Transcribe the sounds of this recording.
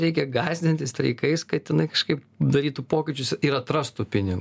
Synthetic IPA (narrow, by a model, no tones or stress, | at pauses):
ɾʲɛɪkʲɛɡɑːzʲd̪ʲɪnʲt̪ʲɪsʲt̪ʲɾʲɛ̰ɪkɐɪskɐtt̪ʲɪnɐɪkɐʃkɐɪp | d̪ɐɾʲiːt̪upoːkʲɪt͡ʃʲʊsiːɾɐt̪ɾɐst̪uːpʲɪnʲɪɡ